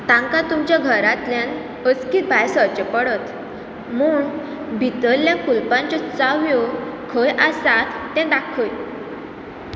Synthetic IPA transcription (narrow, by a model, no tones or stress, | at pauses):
t̪ãŋkat̪umt͡ɕjaɡʱəɾat̪ljan | əskiːt̪̚bʱajsət͡ɕepəɽət̪ | muːɳ | bʱit̪əlljakulpãɲt͡ɕɔt͡saʋjɔkʰəjʔasat̪ːɛ̃d̪akʰəj